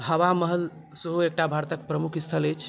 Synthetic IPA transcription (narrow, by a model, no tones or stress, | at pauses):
ɦəwaməɦəl | səɦuek̚ʈabʱaɾt̪əkpɾəmukʰist̪ʰələt͡ʃʰ